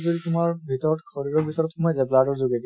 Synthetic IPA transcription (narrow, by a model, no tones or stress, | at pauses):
zoditʊmaɹbʱitɔɹɔtxɔɹiɹɔbʱitɔɹɔtxɔmɔjzɛpladɔɹzoɡed̪i